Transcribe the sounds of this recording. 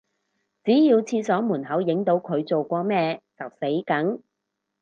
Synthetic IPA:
t͡siː˨˥jiː˧wt͡sʰiː˧sɔː˨˥muː˨˩nhɐ˨˥wjɪ˨˥ŋt̪o˨˥wkʰɵ˨˧ɥt͡so˨wkʷɔː˧mɛː˧t͡sɐ˨w̚se˨˥jkɐ˨˥ŋ

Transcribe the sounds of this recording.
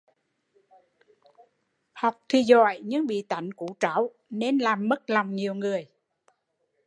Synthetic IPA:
ha˨˩wk͡p̚t̪ʰi˨˩zɔ̰˧˨jɲɨ̰˧˥ŋɓḭ˧˨t̪a˧˩jŋ̟ku˧˥t͡ɕa̰ː˧˩˦w | ne˧nlaː˨˩mːə˦˥t̚lɔ˨˩wŋ͡mɲi˨˩əwŋɨ˨˩əj

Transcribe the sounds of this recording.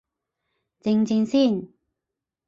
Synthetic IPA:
t͡sɪ˧ŋt͡sɪ˧ŋsiː˥˩n

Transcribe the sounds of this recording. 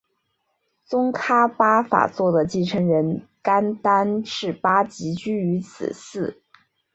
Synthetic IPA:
t͡sʊ˥ŋkʰa˥pa˥fa̰˨˩t͡swɔ˥˩d̪ə˩t͡ɕi˥˩ʈ͡ʂʰə˧˥ŋɻə˧˥nka˥nt̪a˥nʈ͡ʂɻ̩˥˩pa˥t͡ɕi˧˥t͡ɕy˥y˧˥t͡sʰɹ̩̰˨˩sɹ̩˥˩

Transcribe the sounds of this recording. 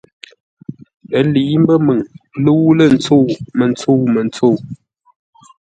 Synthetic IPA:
pə˨˦li˨˦m˦bə˦mə˨ŋlə˦wu˦lə˨n̩˨t͡so˦˨mə˨nt͡so˦˨mə˨nt͡so˦˨

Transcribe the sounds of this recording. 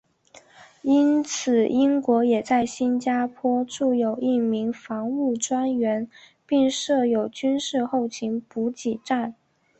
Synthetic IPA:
i˥nt͡sʰɹ̩˨˩i˥ŋkwɔ˧˥jɛ˨˩t͡sa˥˩ɪɕi˥nt͡ɕja˥pʰwɔ˥ʈ͡ʂu˥˩jo˨˩ʊi˥˩mi˧˥ŋfɑ˧˥ŋu˥˩ʈ͡ʂwa˥nɥɛ˧˥n | pi˥˧ŋʂɤ˥˩jo˨˩ʊt͡ɕy˥nʂɻ̩˥˧xo˥˩ʊt͡ɕʰi˧˥ŋpu˧˥t͡ɕi˨˩ʈ͡ʂa˥˩n

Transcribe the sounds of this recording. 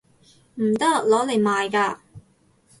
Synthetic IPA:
m̩˨˩t̪ɐ˥lɔː˨˥le˨˩jmaː˨jkaː˧

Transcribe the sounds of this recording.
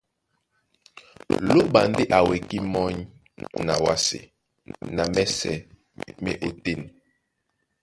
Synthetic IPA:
lo˦ba̰˨ndi˦ʔa˨we˨ki˦mɔ˦ɲ | na̰˨wa̰˦sḛ˨ | na˨mɛ˦sɛ̰˨ | mɛ̰˦ʔo˨ti˦˨n

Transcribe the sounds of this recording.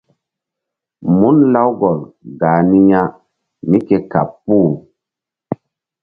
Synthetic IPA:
mu˦nla˦wɡɔ˨lɡaː˨ni˦ja˦ | mi˦ke˨ka̰˨pːu˦˨

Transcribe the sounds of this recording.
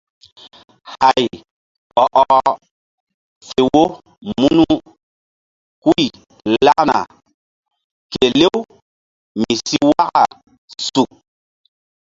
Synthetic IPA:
ha˨j | ɔ˨ʔɔ˨ | fe˨wo˦ | mu˦nu˦ | ku˦i˨ | la˦na̰˨ | ke˨le˦w | mi˨si˦wa˦ka̰˨ | su˨k̚

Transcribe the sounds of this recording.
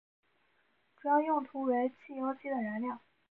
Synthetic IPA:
ʈ͡ʂu˧˥jɑ˥˧ŋjʊ˥˩ŋt̪ʰu˧˥we˧˥ɪt͡ɕʰi˥˩jo˧˥ʊt͡ɕʰi˧˥d̪ə˨ɻa˧˥nljɑ˥˩ŋ

